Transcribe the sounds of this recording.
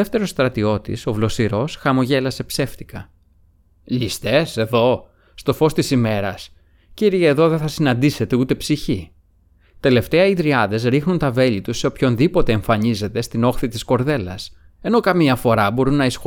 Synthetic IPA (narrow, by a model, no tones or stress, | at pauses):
eft̪e̞ɾost̪ɾɐt̪io̞t̪ḭso̞vlo̞siɾo̞sxɐmo̞ʝe̞lɐse̞pse̞ft̪ikɐ | ʎist̪e̞se̞ðo̞ː | t̪o̞fo̞st̪isime̞ɾɐs | ciɾieðo̞ðe̞θɐsinɐnd̪ise̞t̪e̞ut̪e̞psiçi | t̪e̞le̞ft̪e̞ɐiðɾiɐðe̞zɾixnunt̪ɐve̞ʎit̪useopço̞nðipo̞t̪e̞ːɱfɐɲize̞t̪e̞st̪ino̞xθit̪isko̞ɾðe̞lɐ̰s | e̞no̞kɐmiɐfo̞ɾɐbo̞ɾunɐisxo